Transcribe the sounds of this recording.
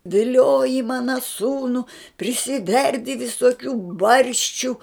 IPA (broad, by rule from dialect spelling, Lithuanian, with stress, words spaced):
ʋʲɪˈlʲoːjɪ ˈmɑːnɐ ˈsuːnʊ pʲrʲɪsʲɪˈʋʲɛrʲdʲɪ ʋʲɪsoːˈkʲuː ˈbɐrʲʃʲt͡ʃʲʊ